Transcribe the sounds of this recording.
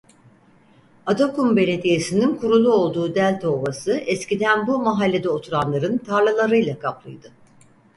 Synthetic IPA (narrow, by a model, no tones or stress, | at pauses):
ad̪okumbe̞lʲe̞d̪ije̞sininkʰuɾulˠuo̞lˠd̪uːd̪ælʲt̪ʰo̞ːbasɯɛscid̪ænbumaɦalʲːe̞d̪ɛo̞t̪ʰuɾanlˠaɾɯnt̪ʰaɾlˠalˠaɾɯjlˠakʰaplˠɯjd̪ɯ